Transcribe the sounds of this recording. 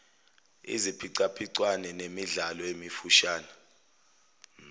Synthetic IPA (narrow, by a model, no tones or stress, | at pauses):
ḭzipʰiǀapʰiǀwanɛnemiɮalɔemifuʃaːnɛ